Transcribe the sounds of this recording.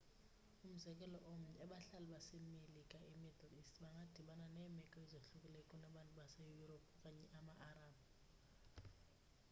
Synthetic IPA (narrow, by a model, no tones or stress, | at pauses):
um̩zɛkʼɛlɔʔom̩nɛɓaɬalɛɓasemilikʼaɛmidlistɓaŋɡʱad̥ʱiɓananɛmɛkʼɔizoɬukʼulɛkʼɔnaɓantʼuɓasejuropʰkʼaɲɛʔamaʔaraːɓa